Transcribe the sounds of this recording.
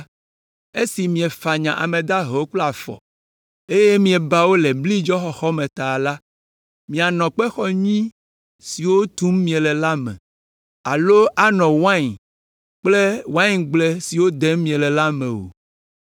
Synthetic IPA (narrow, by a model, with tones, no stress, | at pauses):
e˦si˨mĩ˨ɛ˨fa˨ɲã˨ʔa̰˨mẽ˨d̪a˦ɦɛ˨o˦kla˨fɔ̰˨ | e˦je˦mĩ˨ɛ˨ba˦wo˦le˨bli˦d͡ʒɔ˦xɔ˨xɔ˦mẽ˨t̪a˨la˦ | mĩ˨a˨nɔ̃˨k͡pɛ˦xɔ˦ɲĩ˦ | si˨wo˦t̪u˦mmĩ˨ẽ˨lɛ˨la˦mɛ̰̃˨ | a˨lo˦ʔa˨nɔ̃˨wã˦˨ɲ˨ | k͡ple˦wã˦ɲɡ͡ble˦si˨wo˦d̪e˦mmĩ˨ẽ˨lɛ˨la˦mḛ̃˨wo̰˨